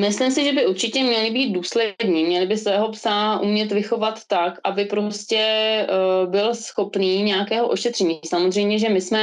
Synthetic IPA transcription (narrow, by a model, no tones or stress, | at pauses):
mɪslɪmsɪʒɛbɪʔuɾt͡ʃɪcɛmɲɛlɪbiːt̪̚duːslɛdɲiːmɲɛlɪbɪsvɛːɦo̞psaʔṵmɲɛt̪vɪxo̞vat̪ːakʔabɪpɾoscɛ | bɪlsxo̞pniːɲɛjakɛːɦoʔo̞ʃɛt̪r̝̥ɛɲiːsamozr̝ɛjmɲɛʒɛmɪsmɛ